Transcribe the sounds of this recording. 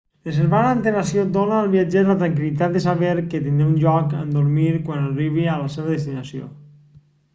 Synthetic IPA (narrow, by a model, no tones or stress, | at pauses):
les̬eɾβanaːnt̪eɾasjod̪onaːlˠβiad͡ʒeðlat̪ɾaŋk̬ilit̪at̪d̪esaβeɾket̪ind̪ɾeunʒɔkə̰nd̪oɾmiɾkwanariβ̞ialaseβəðest̪inasio̰